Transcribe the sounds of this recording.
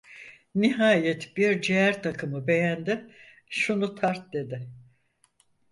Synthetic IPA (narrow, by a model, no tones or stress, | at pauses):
niɦaːjɛt̪biɾd͡ʒeæɾt̪ʰakʰɯmɯbe̞jænd̪ɪ | ʃunut̪ʰaɾt̪̚d̪e̞d̪ɪ